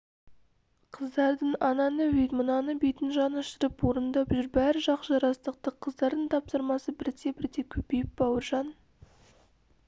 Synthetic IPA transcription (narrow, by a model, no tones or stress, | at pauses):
qʰəzd̪ɑɾd̪əɴɑnɑnəwʏjt̪mənɑnəbejt̪ɪnʒɑnəʃt̪əɾəpwo̞ɾənd̪ɑpʒʏɾbæɾɪʒɑqʒɑɾɑst̪əq̚t̪əqʰəzd̪ɑɾd̪əɴt̪ʰɑpsəɾmɑsəbɪɾt̪ebɪɾt̪ekʲʰɵpe̞jɪp̚bɑwəɾʒɑn